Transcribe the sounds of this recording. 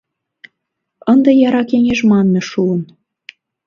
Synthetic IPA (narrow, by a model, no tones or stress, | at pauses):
ənd̪ɤ̆jɑɾɑkeŋʲeʒmɑnːɤ̆ʃuən